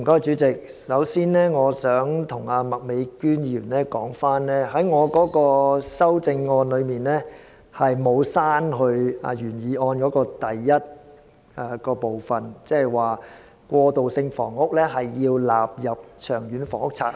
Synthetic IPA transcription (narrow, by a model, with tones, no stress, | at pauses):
m̩˨kɔː˥jt͡ʃyː˨˥t͡sɪ˨k̚ | sɐ˨˥wsiː˥nlɛː˥ŋɔː˨˧sœː˨˥ŋt̪ʰʊ˨˩ŋaː˧mɐ˨k̚me˨˧jkyː˥njiː˨jyː˨˩nlɛː˥kɔː˨˥ŋfaː˥nlɛː˥ɦɐ˨˥jŋɔː˨˧kɔː˨˥kɔː˧sɐ˥wt͡sɪ˧ŋːɔː˧nlɵ˨˧ɥmiː˨nlɛː˥ | hɐ˨jmo˨˧wsaː˥nɦɵ˧ɥa̰ː˧jyː˨˩njiː˨˧ʔɔː˧nkɔː˨˥kɔː˧t̪ɐ˨jjɐ˥t̚ | aː˨˧kɔː˧po˨wfɐ˨˩nt͡sɛː˥ɛ˨˩jwaː˨˩ | kʷɔː˧t̪o˨wsɪ˧ŋfɔ̰ː˨˩ŋʊ˥k̚lɛː˥ɦɐ˨jːiː˧wlaː˨p̚jɐ˨p̚t͡ʃʰœː˨˩ŋjyː˨˥nfɔː˨˩ŋʊ˥k̚t͡sʰa̰ː˧k̚